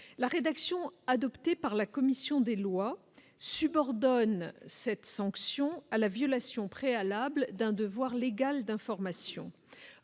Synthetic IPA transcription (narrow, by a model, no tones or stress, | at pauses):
laʁed̪aksjɔ̃ad̪ɔpt̪epaʁlakɔmisjɔ̃d̪elwa | sybɔʁd̪ɔnsɛt̪sɑ̃ksjɔ̃alavjɔlasjɔ̃pχealabld̪ɛ̃d̪əvwaʁleɡald̪ɛ̃fɔʁmasjɔ̰̃